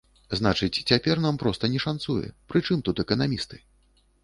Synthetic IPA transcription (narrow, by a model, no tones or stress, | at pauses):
znat͡ʂɨt͡sʲt͡sʲapʲɛrnampɾɔst̪ɐnʲɛʂansujɛ̰pɾɨt͡ʂɨmt̪ut̪ɛkɐnamʲist̪ɨ̥